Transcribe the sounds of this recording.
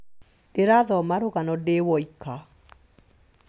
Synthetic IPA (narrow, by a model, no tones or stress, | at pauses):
deɾaðɔmaɾoɣanɔdewɔika